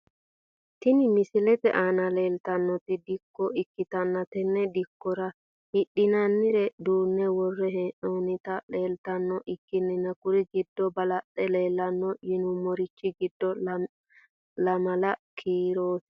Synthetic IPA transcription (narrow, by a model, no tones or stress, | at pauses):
t̪ɪnɪmɪsɪlɛtɛ̰ʔaːnɐle̞ːlt̪ɐnːɔt̪ɪd̪ɪkːɔɪkːɪt̪ɐnːɐt̪ɛnːɛd̪ɪkːɔɾɐ | hɪɗːɪnɐnːɪɾɛd̪uːnːɛwɔrːɛɦɛʔoːnɪt̪ɐle̞ːlt̪ɐnːɔʔɪkːɪnːɪnɐkʊɾɪɡɪd̪ːɔbɐlɐɗɛle̞ːlːɐnːɔjɪnʊmɔɾɪt͡ʃːɪɡɪd̪ːɔ | lɐmɐlɐkʰiːɾoːs